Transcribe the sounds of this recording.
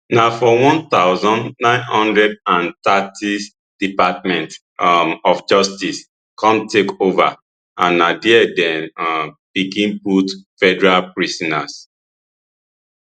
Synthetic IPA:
nafɔwɔ̃nt̪aʊzɔ̃nnãɪ̃nhɔ̃ndɹɛdãnt̪atʰi | d̥ipatmɛ̃nt | ɔfd͡ʒɔstis | kɔ̃mtʰekova̰ | ʔãnːadiɛdɛ̃nb̥ikĩnputfɛdɛɹalpɹisɔnas

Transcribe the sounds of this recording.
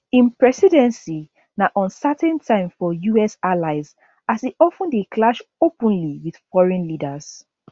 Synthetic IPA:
ĩnpɹɛsidɛ̃nsi | naʔɔ̃nsatɛ̃ntʰãɪ̃mfɔjuɛsalaɪz | asiʔɔfə̃ndeklaʃopə̃nliwið̥fɔɹɛ̃nlidəz̥

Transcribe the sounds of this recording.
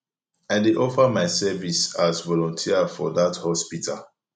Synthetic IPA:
aɪdeʔɔfamaɪsɛvisazvɔlɔ̃ntʰiafɔðathɔspitʰa̰l

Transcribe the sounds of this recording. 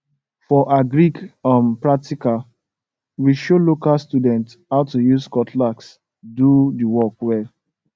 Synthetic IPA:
fɔʔaɡɹikãmpɹak̚tika | wiʃolokalstudɛ̃nt | haʊtujuskɔtʰlaks | dudəwɔkwɛl

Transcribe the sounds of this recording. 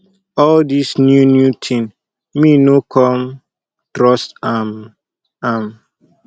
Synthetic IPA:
ɔldisnjunjutʰĩn | minokʰɔm | tɾɔstam | am

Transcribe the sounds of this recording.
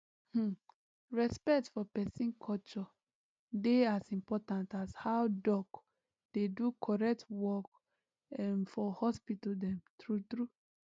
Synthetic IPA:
h̩ | ɹɛspɛk̚tfɔpɛsĩnkʰɔlt͡ʃɔ | deasĩmpɔtãntashawdɔk | d̥edukʰɔɹɛk̚twɔk | mfɔhɔspitɔdɛ̃mtɹutɹu

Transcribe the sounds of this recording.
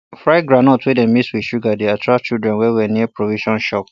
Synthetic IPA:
fɹaɪɡɹanɔtʰwedɛ̃nmiswiʃuɡadeatʰɹaft͡ʃildɹɛ̃nwɛwɛniəpɹoviʃɔ̃nʃɔp

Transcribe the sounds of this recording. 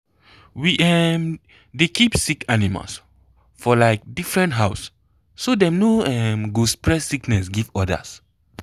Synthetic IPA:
wiʔɛm | dekʰipsikʰanima̰ls | fɔlaɪk̚difɹɛ̃ntɦaʊsː | odɛ̃mnoɛ̃mɡuspɹɛsiknɛsɡivɔdə̰s

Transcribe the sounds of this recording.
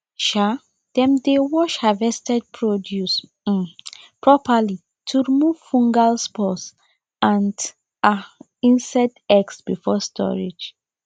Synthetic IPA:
ʃa | d̥ɛ̃mdewɔʃhavɛstɛd̚pʰɹodjus | pɹɔpali | tʰuɹimuv̥fũŋɡalspɔts | ãnd | a | ĩnsadɛksb̥ifɔstʰɔ̰ɹid͡ʒ

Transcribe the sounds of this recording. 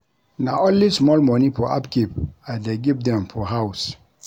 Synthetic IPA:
nãʔɔ̃nlismɔlmɔ̃nĩpʰɔa̰pkʰepadeɡivdɛ̃mfɔɦaʊs

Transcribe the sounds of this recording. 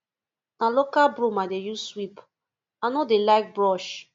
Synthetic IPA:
nalokalbɾomadejuswip | anɔdelaɪk̚bɹɔʃ

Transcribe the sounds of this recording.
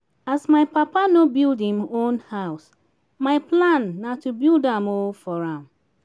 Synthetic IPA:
asmaɪpapanobildhĩmõnhaʊs | maɪplãnːatubildãmofɔɹãm

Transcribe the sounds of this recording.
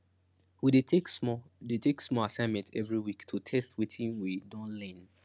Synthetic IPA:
widetedetʰeksmɔasãɪ̃nmɛ̃ntɛ̰vɹiwiktʰutʰɛstwitʰĩnwidɔ̃nlɛ̃n

